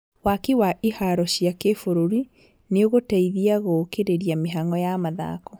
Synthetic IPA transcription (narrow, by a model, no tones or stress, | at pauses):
wakiwaʔihaɾɔɕjakefoɾoɾi | neoɣotaiðiaɣoːkeɾeɾiameɦaŋɔjamaða̰kɔ